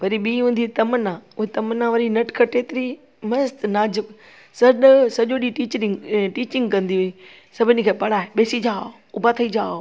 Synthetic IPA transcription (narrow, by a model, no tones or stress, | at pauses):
ʋɐɾiɓiːɦũːn̆d̪it̪ɐmənãʊɦet̪ɐmənãʋɐɾinɐʈkʰɐʈeːt̪ɪɾi | mɐst̪naːd͡ʑɪk | sɐɗsɐʄoɗiʈiːt͡ɕɾɪ̃ŋʈiːt͡ɕɪ̃ŋɡkɐ̃nd̪iɦʊi | sɐbʱɪnɪ̆kʰeːpɐɽaːeɓeːsid͡ʑaːo | ʊbʱat̪ʰɐid͡ʑaːo